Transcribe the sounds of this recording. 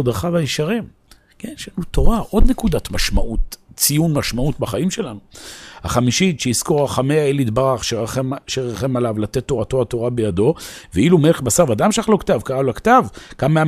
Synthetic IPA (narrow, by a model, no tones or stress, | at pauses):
od̪ʁaχavajiʃaʁim | kenʃeanut̪o̞ʁaʔo̞d̪nekud̪at̪maʃmaʔut̪t͡sijunmaʃmautbaχaimʃe̞lanuhaχamiʃit̪ʃeiskoʁaχameaelit̪baʁaχʃeaʃeʁaχemalavlat̪e̞t̪ːo̞ʁat̪o̞ato̞ʁabe̞jado̞veilumeeχbasaʁad̪amʃaχlo̞kt̪avkaʁalakt̪avkamea